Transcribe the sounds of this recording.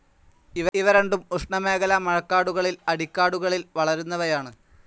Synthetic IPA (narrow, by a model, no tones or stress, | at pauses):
iʋiʋɐɾeɳɖumuʂɳɐme̞ːɣɐlɐmɐɻɐkːaːɽuɣɐɭilɐɽikʲːaːɽuɣɐɭilʋɐɭɐɾunːɐʋɐjaːɳɨ